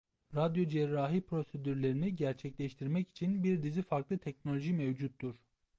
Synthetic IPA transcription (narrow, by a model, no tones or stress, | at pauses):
ɾad̪jo̞d͡ʒɛɾːaːɦipʰɾo̞sed̪yɾlʲe̞ɾiniɟæɾt͡ʃʰɛclʲɛʃt̪ʰiɾmɛci̥t͡ʃʰinbiɾd̪izifaɾklˠɯt̪ʰɛc̚no̞lʲo̞ʒimɛvd͡ʒut̪ːuɾ̥